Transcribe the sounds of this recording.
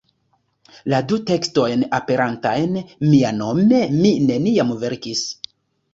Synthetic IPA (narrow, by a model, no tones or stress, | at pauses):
ladute̞ksto̞jnape̞ɾantajnmiano̞me̞mine̞niamve̞ɾkis